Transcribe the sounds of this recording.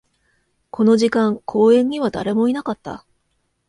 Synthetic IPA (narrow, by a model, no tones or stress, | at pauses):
ko̞no̞ʑikãŋkʰo̞ːẽ̞ɲ̟iβad̪a̰ɾe̞mo̞inakat̪ːa̰